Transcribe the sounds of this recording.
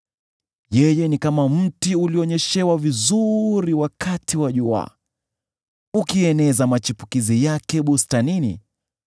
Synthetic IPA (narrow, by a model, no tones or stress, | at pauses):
jɛjɛnikamam̩tiuliɔɲɛʃɛwavizuɾiwakʰatiwaʄua̰ | ukiɛnɛzamat͡ʃipu̥kizijakɛɓustaninḭ